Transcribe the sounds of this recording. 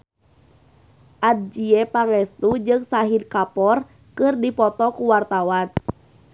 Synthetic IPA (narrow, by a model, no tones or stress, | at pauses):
ʔad̚d͡ʒiɛpaŋɛst̪ud͡ʒɨŋsaɦidkapɔr | kɨrdipɔt̪ɔkuwart̪awan